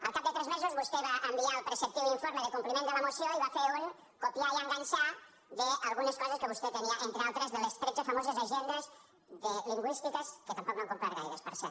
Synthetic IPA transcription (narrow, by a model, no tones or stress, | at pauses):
a̰lkaet̪ɾɛzmezuzβust̪eβaʔembialpɾesep̚t̪iuniɱfoɾmeðekumplimẽnd̪əlamosjoiβafeɾuŋ | kopjaiaŋɡaɲʲsa | ðealˠɣuneskɔzeskeβust̪et̪eniaʔent̪ɾealˠt̪ɾezðelest̪ɾet͡ʃefamozezeʒend̪ez | ðeliŋɡwist̪ikəsket̪ampɔk̚βaŋkompɾaɾɣajðespəɾsɛ